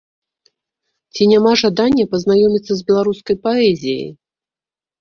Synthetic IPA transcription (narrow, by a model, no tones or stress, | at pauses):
t͡sʲinʲamaʐad̪anʲːɐpɐznajɔmʲit̪sːɐzʲbʲɛlˠaɾuskɐjpaɛzʲijə̰j